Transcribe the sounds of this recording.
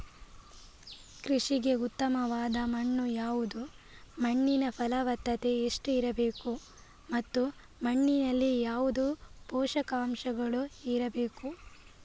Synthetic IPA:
kɾiʂiɡe̞ut̪ːɐmɐʋaːd̪ɐmɐɳːujaːʋud̪u | mɐɳːinɐpʰɐlɐʋɐt̪ːɐt̪e̞ːʂʈuiɾɐbe̞ːku | mɐt̪ːu | mɐɳːinɐlːijaːʋud̪uːpɔːʃɐkaːmʃɐɡɐɭuiɾɐbe̞ːku

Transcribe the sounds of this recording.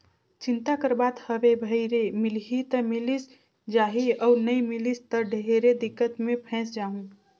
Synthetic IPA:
t͡ʃint̪akəɾbat̪həbebʱəɪɾemilɦit̪əmilis | d͡ʒaɦiəunəjmilist̪əɖʱeɾed̪ikːət̪mepʰɛ̃sd͡ʒaɦũ

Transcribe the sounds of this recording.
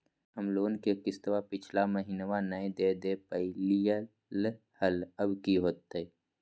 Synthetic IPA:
əmloːnkekɪst̪ʋapɪt͡ʃʰlaməɦinəʋanəed̪ed̪epəlijə | l | hələbkiɦoːt̪ːe

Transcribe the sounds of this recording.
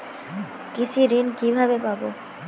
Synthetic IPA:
kit͡ɕʰiɾinkibʱabepabo

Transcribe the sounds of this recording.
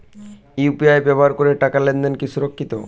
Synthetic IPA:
upiajbɛboɦaɾkoɾeʈakalend̪enkisuɾokʰːit̪o̰

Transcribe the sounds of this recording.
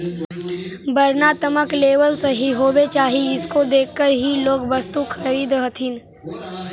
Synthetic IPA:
bɐɾnaːt̪əməkleːʋəlsɐɦiɦoːbet͡ʃaːɦiɪskod̪eːkʰːəɾɦiloːɡbɐst̪uxʰɐɾiːd̪ɦɐt̪ʰɪn

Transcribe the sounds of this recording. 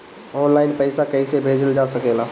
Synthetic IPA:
ɔːnlaːɪnpəɪsakəisebʱeːd͡ʒəld͡ʒasəkeːla

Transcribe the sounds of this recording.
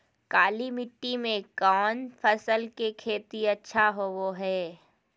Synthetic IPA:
kaːlimɪʈːimẽkɔːnfʰɐsəlkekʰeːt̪iɐtːʃʰaɦoʋoɦɛː

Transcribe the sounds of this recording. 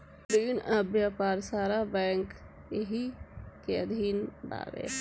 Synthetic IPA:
ɾiːnəbjaːpaːɾsaːɾabɛːŋkː | eɦikeəd̪ʱiːnba̰bḛ

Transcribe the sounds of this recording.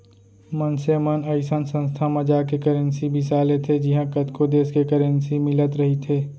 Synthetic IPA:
mənsemənəɪsənsə̃nst̪ʰamɐ̃d͡ʒaːkekəɾənsibʱɪsaːlet̪ʰed͡ʒɪɦãkət̪kod̪eːskekəɾənsimɪlət̪ɾɐɦit̪ʰeː

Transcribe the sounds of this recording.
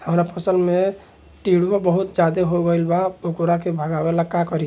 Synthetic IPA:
həmɾapʰəsəlme | ʈiɽuabəɦut̪d͡ʒad̪eɦoɡəlbaokoɾakebʱəɡabelaɡ̚kakɔɾi

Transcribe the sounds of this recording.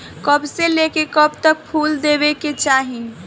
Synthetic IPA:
kəbseleːkekəbt̪ək̚pʰuːld̪eːbeket͡ʃaːɦi

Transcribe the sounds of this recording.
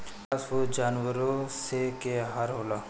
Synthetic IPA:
ɐsod͡ʒaːnʋəɾosekeɦaɾɦoːla

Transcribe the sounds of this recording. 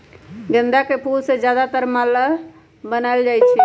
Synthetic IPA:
ɡənd̪akepuɾsed͡ʒjad̪at̪əɾmələ | bənajld͡ʒajt͡ʃʰi

